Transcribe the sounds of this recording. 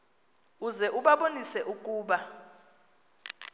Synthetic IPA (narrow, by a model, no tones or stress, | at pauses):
uzɛʔuɓaɓonisɛʔuk̬ʼuːɓa